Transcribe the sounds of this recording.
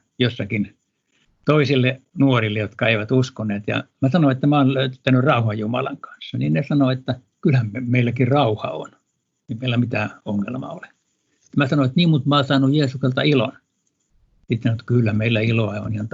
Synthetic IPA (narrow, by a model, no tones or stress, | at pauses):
josːɑkin | t̪oisilːenuorilːejot̪kɑeiʋæt̪uskonˑeːt̪jɑ̰mæsɑnoet̪ːæmæonløyt̪t̪ːænyrrɑuhɑjjumɑ̰lɑ̰ŋkɑ̥nsːɑninnesɑnoet̪ːæ | kylhæmmemeilːækirrɑuhɑ̰o̰n | eimeilːæmit̪æoŋːḛlmɑ̰ole̥ | t̪mæsɑnoet̪niːmmut̪mosɑːnujjeːsukselt̪ɑ̰ilo̰n | sit̪sɑnoet̪kylːæmeilːæiloɑo̰nihɑnt̪